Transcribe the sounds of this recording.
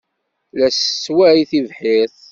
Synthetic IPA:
læsːwæʕiθivħiθ

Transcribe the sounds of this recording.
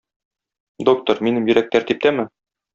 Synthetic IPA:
d̪ok̚t̪ŏɾminɘmjɵ̆ɾæk̚t̪æɾt̪ip̚t̪æmɘ

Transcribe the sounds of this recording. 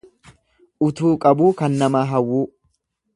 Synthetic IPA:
ʔʊt̪uːkʼɐbuːkɐnːɐmaːɦɐwːuː

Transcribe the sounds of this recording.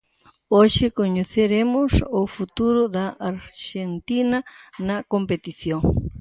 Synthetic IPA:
oʃekoɲoθeɾemosofut̪uɾod̪aʔaɾxent̪inanakompet̪isjoŋ

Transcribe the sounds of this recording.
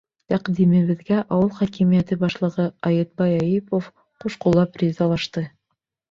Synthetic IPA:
t̪æqd̪imɘ̆βɘ̆ðɡæʔɑwɤlˠχɑkimijæt̪ɘbɑʃlˠɤ̆ʁɤɑjɤt̪̚bɑjɑjipof | quʃqulˠɑprʲizɑlˠɑʃt̪ɤ

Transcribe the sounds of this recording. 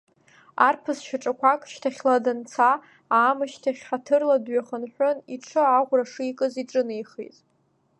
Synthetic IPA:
arpʰɨsʃᶣaʈ͡ʂʼakʷakʼʃtʰaχʲladɨnt͡sʰa | aːmɨʃtʰaχʲħatʰɨrladɥaχənħʷᶣoniʈ͡ʂʰɨaʁʷraʂɨikʼɨziʈ͡ʂʼɨnɨjχḭtʼ

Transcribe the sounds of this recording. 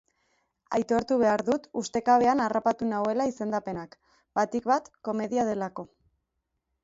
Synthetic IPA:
a̰jt̪o̞ɾt̪uβ̞e̞aɾðut̪ust̪e̞kaβe̞anarapat̪unawe̞laise̞nd̪ape̞nak | b̥at̪ikβat̪ko̞me̞ðiaðe̞lako̞

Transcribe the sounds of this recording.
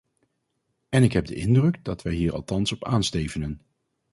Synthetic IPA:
ɛnɪkɦɛb̚də̰ʔɪndrɵɡdɑtʋɛjɦiːɹɑ̰lˠtɑnsɔpa̰ːnstejvənən

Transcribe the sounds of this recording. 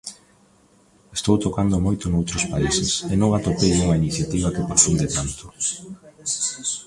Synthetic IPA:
est̪owt̪okand̪ʊmojt̪ʊnowt̪ɾospaisɪsenõŋat̪opejuŋainiθjat̪iβ̞ɐkepɾofund̪et̪ant̪ʊ̥

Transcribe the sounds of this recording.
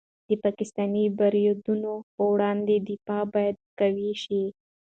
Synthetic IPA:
d̪əpɑkɪst̪ɑnibaɾijod̪unopəwɽɑnd̪ed̪ɪfɑbɑjad̪̚kaweʃi

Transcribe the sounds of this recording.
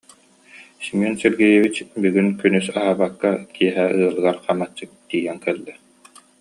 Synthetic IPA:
simɔnsɛɾɡɛjɛβit͡ɕbyɡynkynysaɦaːbakːakʰiɛɦɛɯɐlˠɯɡaɾχamat͡ɕːɯk̚t̪iːjɛŋkɛlːɛ

